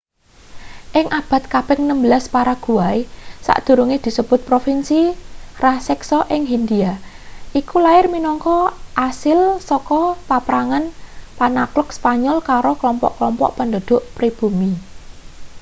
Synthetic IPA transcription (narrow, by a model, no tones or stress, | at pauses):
ʔɪŋʔab̥a̤t̪̚kab̥ɪŋnəmbəlaspaɾaɡ̥ṳaisa̰ʔd̪̥ṳɾuŋɪhd̪̥i̤səb̥ʊ̤t̪̚pɾofinsirasɛksɔʔɪŋɦind̪ia | ʔikulaɪrminɔŋkɔʔasɪlsɔkɔpapɾaŋanpanaklʊkspaɲɔlkaɾoklɔmpɔ̰ʔklɔmpɔ̰ʔpənd̪o̤d̪̥ʊ̤ʔpɾib̥umi